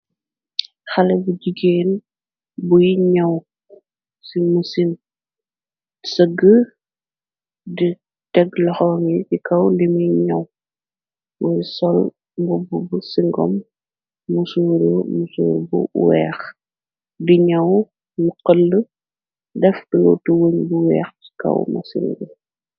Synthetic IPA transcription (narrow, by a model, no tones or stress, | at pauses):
xɐlɛbuɟiɡeːn | bujɲɐw | simusin | səɡə | di | tɛɡlɔxɔŋitikɐwlimiɲɐw | wɔsɔl | mbububusiŋɡɔ̰mː | usuwɾomusubṵwɛ̰ːx | diɲɐw | muqəlːə | dɛfkəlɔ̰tuwoɲbuwɛːxi̥kɐ̰wmɐ̰sḭn̰ɾu